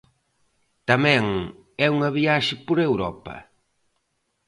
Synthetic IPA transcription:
t̪ɐmɛ̃ŋ | ɛuŋɐβiaʃɪpoɾewɾɔpɐ̰

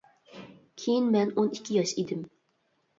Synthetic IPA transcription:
kʲʰejinmɛnonikʲʰːijɑʃid̪ɪm

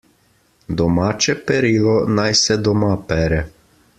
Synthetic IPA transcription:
d̪ɔmaːt͡ʃɛpɛɾiːlɔnajsɛd̪ɔmapɛːɾɛ

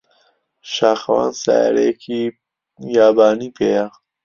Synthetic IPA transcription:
ʃaːxwa̰nsa̰ɾekʰi | jaːbaːnipʰejaʁ

